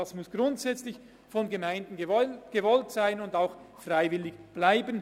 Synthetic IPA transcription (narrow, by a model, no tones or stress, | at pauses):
ɑsmʊsɡ̥rʊntsɛt͡slɪç | fɔnɡəmaɪndn̩ɡ̥əvɔltsaɪnʊndaʊx | fraɪvɪlɪɡb̥laɪbən